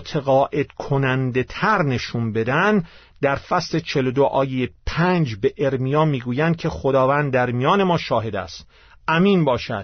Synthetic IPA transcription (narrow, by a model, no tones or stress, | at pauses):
t̪ʰeɣɒːʔe̞d̪̥kʰonænd̪e̞t̪ʰæɾne̞ʃunbe̞d̪æn | d̪æɾfæsle̞t͡ʃʰe̞lod̪oʔɒːjejepʰænd͡ʒbe̞ʔeɾmijɒːmiːɡuːjænd̪̚kʲʰe̞xod̪ɒːvæːnd̪̚d̪æɾmijɒːne̞mɒːʃɒːɦe̞d̪æ̰st̪ | ʔæmiːnbɒːʃæ̰d̪̥